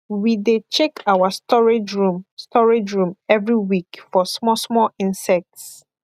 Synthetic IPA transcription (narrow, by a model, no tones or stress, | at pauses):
widet͡ʃɛkʰawastɔɹed͡ʒɹũmstʰɔɹed͡ʒɹũmɛvɹiwikfɔsmɔsmɔlĩnsɛk̚ts